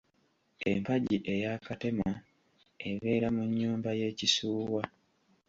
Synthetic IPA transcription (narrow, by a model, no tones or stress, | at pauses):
e̞̰mpaɟiʔe̞jaːkate̞ma | eβe̞ːɾamuɲːuːmbaje̞ːcisuːwa